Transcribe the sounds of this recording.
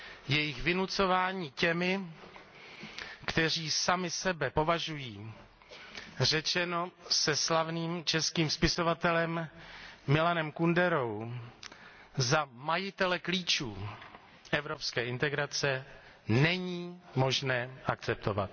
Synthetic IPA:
jɛjɪxvɪnut͡so̞vaːɲiːcɛmɪ | kt̪ɛr̝iːsamɪsɛbɛpo̞vaʒujiː | r̝ɛt͡ʃɛno̞sɛslavniːmt͡ʃɛskiːmspɪso̞vat̪ɛlɛmː | ɪlanɛmkundɛɾo̞w | zamajɪt̪ɛlɛkliːt͡ʃṵː | ʔɛvɾo̞pskɛːɪnt̪ɛɡɾat͡sɛ | nɛɲiːmo̞ʒnɛːʔakt͡sɛpt̪o̞va̰t̪̚

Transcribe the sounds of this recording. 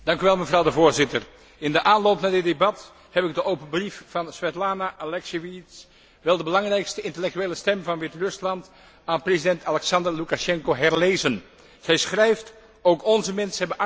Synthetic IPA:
d̥ɑŋkyʋɛlˠməvrɑwdəvʊːɹzɪtər | ɪndəʔaːnlowpnaːdɪt̚debɑt | hɛpɪɡ̚dəʔowpəbriffɑnsʋɛtlaːnaʔalɛkseʋits | ʋɛlˠdəbəlɑŋrɛjkstəɪntəlɛk̚tyeːləstɛmvɑnʋɪtrɵslɑnt | aːnprezidɛntalɛksɑndərlukaʃɛŋkoɦɛɹlejzən | z̥ɛjsχrɛjft | owkɔnzəmɛnsəɦɛbəʔ

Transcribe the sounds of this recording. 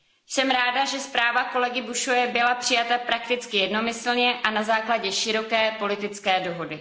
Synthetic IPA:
sɛmɾaːdaʒɛspɾaːvako̞lɛɡɪbuʃovɛbɪlapr̥ɪjat̪apɾakt̪ɪt͡skɪjɛdno̞mɪsl̩ɲɛʔanazaːklaɟɛʃɪɾo̞kɛːpo̞lɪt̪ɪt͡skɛːdo̞ɦo̞dɪ

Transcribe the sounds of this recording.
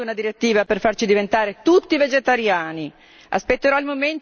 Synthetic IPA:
unad̪iɾet̪ːiːvaperfart͡ʃid̪ivent̪aːɾet̪ut̪ːived͡ʒet̪aɾjaːni | a̰spet̪ːeɾɔilmoment̪

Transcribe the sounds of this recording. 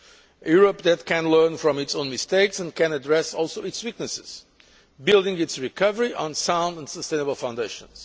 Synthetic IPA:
juɹəp̚ðɨt̚kʰɨ̃nlɜ˞nfɹɔ̃mɨtsõʊ̃nmɨsteɪksɨ̃nkɨ̃nədɹɛsɔlˠsoʊɨtswik̚nɨsɪz̥ | bɪlˠdɪ̃ŋɪtsɹikʰʌvəɹiʔə̃nsãʊ̃ndə̃nsəstẽɪnəbl̩ˠfãʊ̃ndeɪʃə̰̃nz̥

